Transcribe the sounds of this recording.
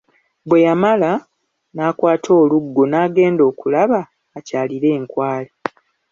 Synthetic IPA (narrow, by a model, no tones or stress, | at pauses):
bwe̞jamala | naːkwaːtʰo̞ːluɡːo̞naːɡe̞ːndo̞ːkulaβaː | caːliɾe̞ːŋkwaːle